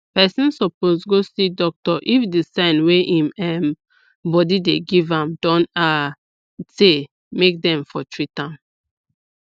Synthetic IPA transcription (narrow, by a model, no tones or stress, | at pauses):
pɛsɔ̃nsɔposɡosidɔk̚tɔʔifdisãnweʔĩmɛ̃m | bɔdideɡivãmdɔ̃na | te | mek̚dɛ̃mfɔtʰɹitãm